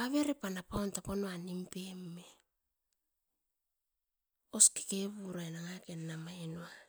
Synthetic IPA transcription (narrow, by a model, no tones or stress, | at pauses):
aβeɾepanapawntaponoanimpemːe | oske̥keβuɾaenaŋake̞nːamaenoa